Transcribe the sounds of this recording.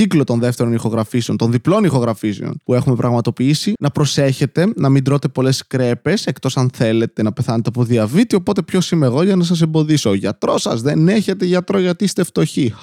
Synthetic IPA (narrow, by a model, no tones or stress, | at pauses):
iklo̞t̪o̞nðe̞ft̪e̞ɾo̞nixo̞ɣɾɐfiseo̞nt̪o̞nðiplo̞nixo̞ɣɾɐfisḛo̰npue̞xume̞pɾʔɐɣmɐt̪o̞piisinɐpɾo̞se̞çe̞t̪e̞nɐmind̪ɾo̞t̪e̞po̞le̞skɾe̞pe̞se̞kt̪o̞sɐnθe̞le̞t̪e̞nɐpe̞θɐnet̪eɐpo̞ðiɐvit̪io̞po̞t̪e̞pço̞simeɣo̞ʝɐnɐs̬ɐs̬embo̞ðiso̞ʝɐt̪ɾo̞sɐ̰zðe̞neçe̞t̪eʝɐt̪ɾo̞ʝɐt̪iist̪eft̪o̞çi